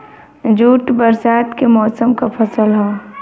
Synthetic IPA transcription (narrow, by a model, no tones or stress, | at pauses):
d͡ʒuːʈbəɾsaːt̪kemɔːsəmkapʰəsəlɦɛː